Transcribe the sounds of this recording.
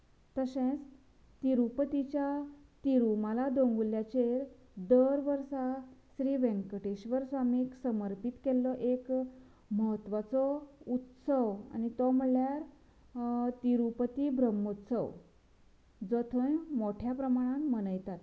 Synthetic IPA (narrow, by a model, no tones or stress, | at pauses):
t̪əsẽt͡s | t̪iɾupət̪it͡ɕjat̪iɾuməlad̪oŋɡuljat͡ɕeɾ | d̪əɾʋəɾsasɾiːʋẽŋkəʈeɕʋəɾsʋamiksəməɾpit̪kelːɔʔek | məɦət̪ːʋat͡sɔut̪səʋa̰ñit̪ɔm̤əɭljaɾ | t̪iɾupət̪ibɾəmːut̪sə̰w | d͡zɔt̪ʰəjmoʈʰjapɾəmaɽ̃ammənəjt̪at̪